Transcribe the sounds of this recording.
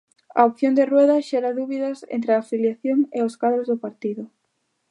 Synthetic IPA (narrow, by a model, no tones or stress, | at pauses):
ɐ̰opθjond̪erwɛðɐʃɛɾaðuβiðɐsḛnt̪ɾeaːfiljaθjoŋeoskaðɾozðʊpaɾt̪iðʊ